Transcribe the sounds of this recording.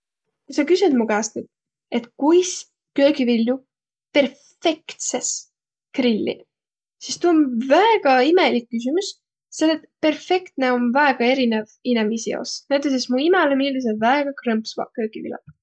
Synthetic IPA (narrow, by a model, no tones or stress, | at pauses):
kusɑkysynd̪mukæːst̪nyd̪̥̚ | e̞t̪kujs | kø̞ːɡivilʲːju | pe̞rffe̞kt̪ses | krilʲːḭ | sist̪unvæeɡ̥ɑime̞likːys̬ymus | sed̪et̪pe̞rfe̞kt̪ne̞o̞nvæeɡ̥ɑe̞ɾinevinemisio̰snæjt̪ːˑes̬esmuimɛlemilmis̬evæeɡ̥ɑkrɤmpsvɑ̰kø̞ːɡ̥ivḭlɑ̰̥